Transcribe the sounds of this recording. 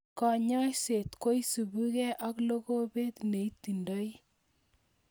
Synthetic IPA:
kɔ˨ɲɔ˦jse˨t̪ko˦jsu˨bu˦kɛ˦ʔa˦klo˦ko˦be˦t̪ne˨i˦tːi˨ndɔ˦j

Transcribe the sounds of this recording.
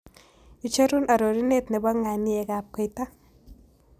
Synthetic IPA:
i˨t͡ʃa˦ɾu˦na˨ɾo˨ɾi˦ne˦˨tnɛ˨bɔ˦ŋa˨ni˦ɛ˨ka˨p̚kɔ˦˨jta˦

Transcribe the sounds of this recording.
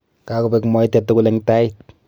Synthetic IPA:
ka˦ko˨pe˨kmɔ˦i˦tɛ˨tːo˦ku˦lɛ˨ŋta˦it̚

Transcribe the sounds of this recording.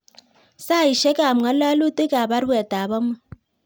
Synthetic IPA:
sa˦˨i˨ʃɛ˦ka˨m˨a˦la˦lu˦te˦ka˨ba˦ɾwɛ˨ta˨βɔ˦ma˦

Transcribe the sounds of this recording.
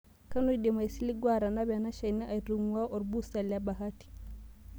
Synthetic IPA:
ka˦nu˦ide˨ma˨si˦li˦ɡwa˦ɾa˨na˦bɛ˨na˦ʃa˨jna˦ʔa˨jɾu˨ŋwa˦ʔɔ˨ɾbu˦sa˨lja˦ba˨ɦa˦ti̥˨

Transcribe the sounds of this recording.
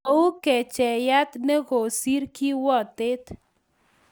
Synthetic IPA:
a˨˦u˦kɛ˨t͡ʃɛ˨ja˦t̪nɛ˦ɡɔ˨si˦ɾki˦wɔ˦˨t̪ɪ˦t̪

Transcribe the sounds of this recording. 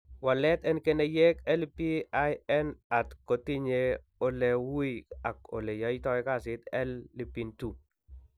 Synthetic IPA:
wa˨lɛ˦t̪ɛ˦nke˦nɛ˨jɛ˦kɛ˦lpi˦a˦jɛ˦na˨tko˨ti˦ɲe˦ | o˦lɛ˨wu˦ia˨ko̰˨le˨ja˨i˦tɔ˦ɛ˦ka˦˨sɪ˦t̪ɛ˦lːi˨pi˨ntu˨

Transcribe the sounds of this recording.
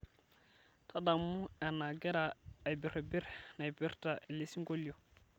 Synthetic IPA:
tʰa˦da˨mu˦a˨na˨ɡɛ˦ɾa˨a˨jbi˨ɾa˨bi˦ɾna˨jbi˦ɾta˨e˨le˦si˦ŋko˦li˦jo˨

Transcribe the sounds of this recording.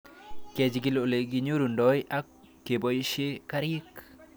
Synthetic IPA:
kɛ˨d͡ʒi˨ki˨lo˨le˨ɡi˨ɲo˦ɾu˨ndɔ˦jʔa˦kː | e˨bɔ˨˦ʃe˦ka˦ɾɪ˦k

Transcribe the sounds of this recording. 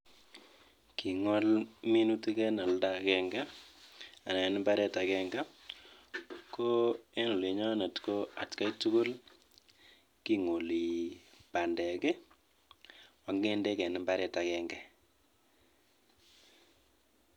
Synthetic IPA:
kʰi˨ŋɔ˦lmi˦nu˦ti˦kɛ˦nɔ˨lda˨kɛ˦ŋɡa˦ | a˨na˨nɪ˦mba˦ɾɛ˦ta˨kɛ˦ŋɡa˦ | ko˦e˦nu˨li˨ɲɔ˦ne˨tko˦a˨tka˦i˦tu˦ko˦l | ki˦ŋo˨li˨pa˨ndɛ˨kɛ˦ | wa˨ŋɡe˦nde˦kɛ˨nɪ˨mba˦ɾɛ˦ta˨kɛ˦ŋɡɛ˦

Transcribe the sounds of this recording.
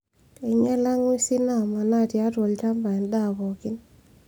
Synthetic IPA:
e˨ɲa˦la˦ŋi˦si˦na˦˨ma˨na˦˨tja˦twɔ˨lt͡ʃa˦mba˨nda˦˨bɔ˨ki˦n

